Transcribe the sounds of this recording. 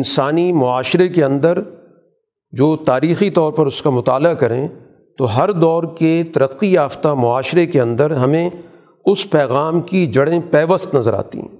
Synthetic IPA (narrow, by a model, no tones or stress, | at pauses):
ɪnsaːnimʊaːʃɾekeɐ̃nd̪əɾ | d͡ʒoːt̪aːɾiːxit̪ɔːɾpɐɾʊskamʊt̪aːlakɐɾẽ | t̪oɦɐɾd̪ɔːɾket̪ɐɾəqːijaːft̪amʊaːʃɾekeɐ̃nd̪əɾɦɐmẽ | ʊspɛːɣaːmkid͡ʒɐɽẽpɛːʋəst̪nɐzəɾa̰ːt̪ḭ̃